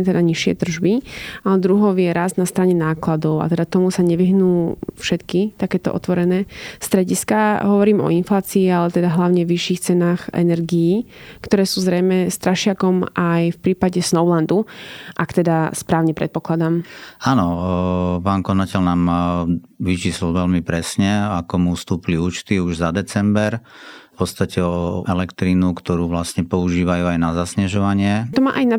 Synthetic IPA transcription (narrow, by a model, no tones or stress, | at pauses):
t̪ɛd̪aɲiʃɪɛ̰t̪r̩ʒbiaɛd̪ɾuɦɔʊjɛɾaznast̪ɾaɲɛnaːklad̪ɔʊa̰t̪ɛd̪at̪ɔmusaɲɛʋiɦnuːfʃɛt̪kit̪akɛːt̪ɔʔɔ̰t̪ʋɔɾɛnɛːst̪ɾɛɟiskaɦɔʋɔɾiːmɔ̰inflaːt͡siːalɛt̪ɛd̪aɦlaʊɲɛɔʋiʃiːxt͡sɛnaːxɛ̰nɛɾɡijikt̪ɔɾɛːsuːzɾɛjmɛst̪ɾaʃɪakɔmʔajfpɾiːpaɟɛsnɔʊland̪uʔakt̪ɛd̪aspɾaːʊɲɛpɾɛ̰t̪̚pɔklad̪amaːnɔ | paːnkɔnacɛʎnaːm | ʋit͡ʃiːsllʋɛlmipɾɛsɲɛakɔmufst̪uːpiliuːt͡ʃt̪iuʒzad̪ɛt͡sɛmbɛɾfpɔt̪st̪acɛɔɛlɛkt̪ɾinukt̪ɔɾuːʋlasɲɛpɔuʒiːʋajuːajnazasɲɛʒɔʋaɲɪɛt̪ɔma̰ːʔajna